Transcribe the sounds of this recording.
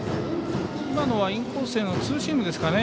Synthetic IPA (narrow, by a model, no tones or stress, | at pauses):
imano̞β̞aĩŋkoːse̞ːno̞t͡sɨːɕimɯ̟d̪e̞sɨ̥kane̞